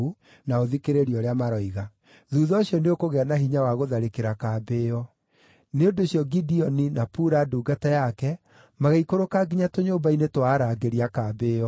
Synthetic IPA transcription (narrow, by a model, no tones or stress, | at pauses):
u | naoðikeɾeɾiɔɾeamaɾɔiɣa | ðuːðɔɕjɔneokoɣɛanaɦiɲawaɣoðaɾekeɾakaːbeɔ | neondoɕjɔɡidiɔninapuɾaduːɡatajakɛ | maɣaikoɾokaɡiɲatoɲoːmbainetwaːɾaːɡeɾiakaːbeːɔ